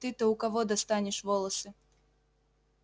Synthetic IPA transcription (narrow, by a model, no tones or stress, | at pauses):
t̪ɨt̪ɔukavɔd̪ɐst̪anʲɛʂvɔlˠɐsɨ